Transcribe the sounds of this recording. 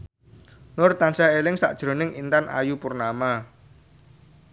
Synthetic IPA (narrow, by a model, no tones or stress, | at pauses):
nʊrt̪ansaelɪŋsa̰ʔd̥ʒ̥ɾo̤nɪŋint̪anʔa̰jupʊrnama